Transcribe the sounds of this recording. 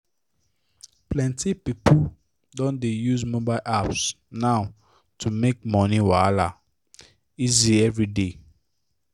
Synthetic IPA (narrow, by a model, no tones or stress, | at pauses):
plɛ̃ntipipu | dɔ̃ndejuzmobaɪlʔaps | naʊ | tʰumek̚mɔniwala | iziɛvɹide